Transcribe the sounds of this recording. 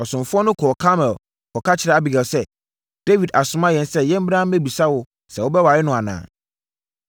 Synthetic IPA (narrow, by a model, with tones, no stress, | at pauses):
ɔ˨sʊ̃˨m˨fʊ˦ɔ˦nʊ̃˦kʰɔ˨kʰa˦mɛ̃˨l | kʰɔ˨kʰa˦t͡ɕʰɪ˨ɾɛ˨a˦˨bɪ˨ɡɛ˨lsɛ˦ | d̥e˦wi˨da˨sʊ˦mã˦jɛ̃˨n˦sɛ˦˨jɛ̃˦m̩˦bã˦m̩˦e˦˨bi˨sa˦wʊ˨ | sɛ˨wʊ˦bɛ˦wa˨ɾɪ˦nʊ̃˨a˨nã̰ː˨